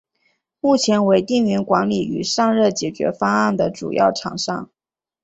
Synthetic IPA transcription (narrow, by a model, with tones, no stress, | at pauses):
mu˥˩t͡ɕʰjɛ˧˥nwe˧˥ɪt̪i˥˩ŋy˧˥nkwa˧˥nli˨˩y̰˨˩ʂɑ˥˧ŋɻɤ˥˩t͡ɕjɛ˨˩t͡ɕɥɛ̰˧˥fɑ˥ŋa˥˩nd̪ə˩ʈ͡ʂṵ˨˩jʔɑ̰˥˩ʊʈ͡ʂʰɑ̰˨˩ŋʂɑ̰˥˩ŋ